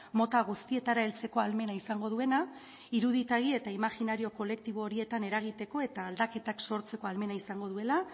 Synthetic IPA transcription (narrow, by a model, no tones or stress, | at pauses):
mo̞t̪aɣust̪ie̞t̪aɾae̞lt͡se̞ko̞alme̞naisaŋɡo̞ð̞ue̞na | iɾuðit̪aɣie̞t̪aimaxinaɾio̞ko̞le̞k̚t̪iβ̞o̞ːɾie̞t̪ane̞ɾaɣ̞it̪e̞ko̞e̞t̪aːld̪ake̞t̪akso̞ɾt͡se̞ko̞alme̞naisaŋɡo̞ð̞ue̞la